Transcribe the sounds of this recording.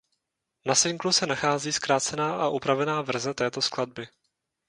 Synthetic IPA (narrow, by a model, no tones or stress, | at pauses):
nasɪŋɡlusɛnaxaːziːskɾaːt͡sɛnaːʔaʔupɾavɛnaːvr̩zɛt̪ɛːt̪o̞sklad̚bɪ